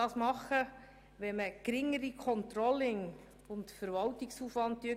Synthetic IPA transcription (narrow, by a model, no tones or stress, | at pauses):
ɑːsmɑχə | ʋɛməkɾɪŋəɾikʰɔnt̪ɾɔlːɪŋ | ʊntfəɾvɑltɪksuːfʋɑnt̚tyə